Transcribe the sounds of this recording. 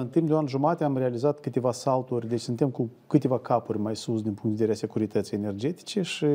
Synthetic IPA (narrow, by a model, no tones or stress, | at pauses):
ɨnt̪impd̪eoanʒumat̪eamrealizat̪kɨt̪e̞vasalt̪urʲd̪e̞t͡ʃʲsɨnt̪e̞mkukɨt̪e̞vakapurʲmajsusd̪inpuŋkt̪veeɾease̞kuɾit̪ət̪sijene̞rd͡ʒe̞t̪i̥t͡ʃe̞ʃi